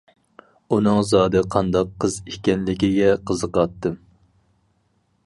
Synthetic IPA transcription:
unɨŋzɑːd̪ɨqʰɑnd̪ɑqʰːəzikʲɛnlɪkʲiɡʲɛqʰəzəqɑt̪ːɨm

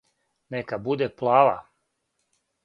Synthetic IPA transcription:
nekabud̪eplˠaːʋa̰

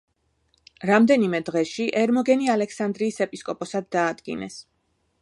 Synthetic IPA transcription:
ɾamd̪ɛnimɛd̪ʁɛʃiʔɛɾmɔɡɛnialɛksand̪ɾiːsɛpʼiskʼɔpʼɔsad̪̚ːaːd̪ɡḭnɛ̰s

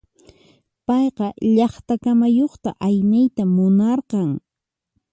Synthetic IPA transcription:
pɑjqɑʎɑχt̪akamajoχt̪a̰ʔajnajt̪amʊnɑɾqɑŋ

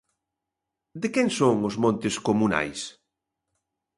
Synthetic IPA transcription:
d̪ekɛŋsoŋʊzmõnt̪ɪskomuna̰js

